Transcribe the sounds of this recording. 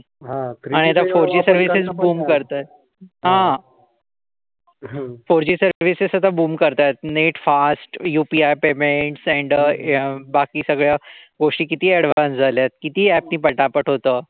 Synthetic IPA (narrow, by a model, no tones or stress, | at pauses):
ɦaaɽ̃iat̪afoɾd͡ʑiːsəɾʋisezbuːmkəɾt̪a | ɦã | foɾd͡ʑiːsəɾʋisessəd̪ʱabuːmkəɾt̪ajt̪̚neʈfasʈjupiajpemeɳʈsɛ̃ɳɖ | bakiːsəɡɭjaɡoʂʈiːkit̪iːɛɽʋ̤ansd͡zʱaljat̪̚kit̪iːæp̚niːpəʈapəʈɦot̪əː